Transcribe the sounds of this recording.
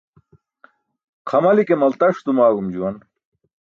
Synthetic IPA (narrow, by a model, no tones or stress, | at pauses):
qʰɐmɐlikemɐlt̪ɐʂt̪umaːɡumd͡ʑuwɐn